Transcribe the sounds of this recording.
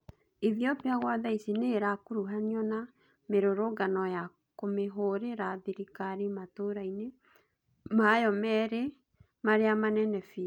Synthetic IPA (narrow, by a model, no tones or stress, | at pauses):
iðiɔpiaɣwaðaisineɾakoɾuɦaniɔna | meɾoɾoɡanɔja | komeɦoɾeɾaðiɾikaɾimatoɾaine | majɔmɛɾe | maɾeamanɛnɛfi